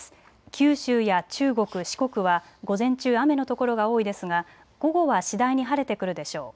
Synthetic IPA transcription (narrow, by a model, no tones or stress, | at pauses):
kʲɨːɕɨːjat͡ɕɨːɡo̞kɯ̟ɕi̥ko̞kɯ̟βa | ɡo̞zẽ̞ɲt͡ɕɨːame̞no̞t̪o̞ko̞ɾo̞ɡao̞ːid̪e̞sɨɡa | ɡ̥o̞ɡo̞βaɕid̪aiɲ̟iɦaɾe̞t̪e̞kɯ̟ɾɯ̟d̪e̞ɕo̞ː